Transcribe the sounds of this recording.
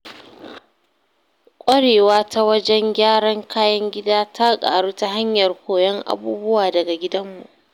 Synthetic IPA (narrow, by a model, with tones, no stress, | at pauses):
kʷʼɐ˦ɽeː˨waː˦ta˦wɐ˦d͡ʒɛ˦ŋɡʲaː˦ɽɐ˦ŋkʰaː˦jɐ˦ŋɡʲɪ˦daː˦tʰa˦kʼa̰ː˨ɽuː˦ta˦ɦa˦ɲjɐ˨rkʷoː˨jɐ˦ŋʔa̰˨buː˦bʊ˦waː˨dɐ˨ɡa˨ɡʲɪ˦dɐ˦mːṵ˨ʔ